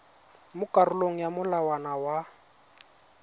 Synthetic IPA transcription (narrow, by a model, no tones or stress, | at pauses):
mʊkʼarʊloŋ̩jamʊlawanawa